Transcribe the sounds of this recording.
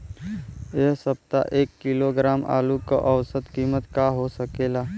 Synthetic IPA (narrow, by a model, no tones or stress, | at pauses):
eɦsəp̚t̪a̰ʔeːkːɪloɡɾaːmʔa̰ːluko̰ʔəwsət̪kiːmət̪kaɦosəkeːlaː